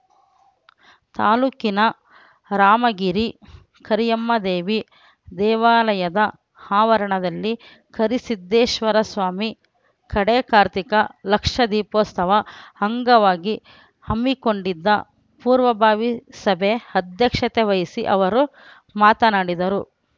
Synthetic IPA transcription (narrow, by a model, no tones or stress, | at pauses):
t̪aːluːkinɐ | ɾaːmɐɡiɾi | kɐɾijɐmːɐd̪eːʋi | d̪ɛːʋaːlɐjɐd̪ɐ | haːʋɐɾɐɳɐd̪ɐlːi | kʰɐɾisid̪ːeːʃʋɐɾɐsʋaːmi | kɐɽeːkaːɾt̪ikɐlɐkʂɐd̪iːpoːst̪ʰɐʋɐhɐŋɡɐʋaːɡi | hɐmːiko̞ɳɖid̪ːɐ | puːɾʋɐbʱaːʋisɐbʱeɐd̪ʱjɐkʂɐt̪eʋɐjisiʔɐʋɐɾu | maːt̪ɐnaːɽid̪ɐɾu